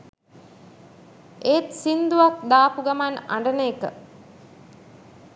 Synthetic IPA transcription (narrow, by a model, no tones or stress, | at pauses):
eːt̪sind̪uʋak̚d̪aːpuɡamana̰ɳɖəneːkə̰